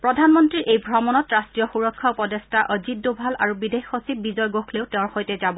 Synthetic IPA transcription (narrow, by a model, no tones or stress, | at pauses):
pɹɔdʱanmɔntɹiɹʔejbʱɹɔmɔnɔtɹastɹijɔxuɹɔkʰːapɔdestaʔɔzit̚dubʱalaɹubidexosip̚bizɔjɡoxʰleʊteʊ̃ɹxojtɛzabɔ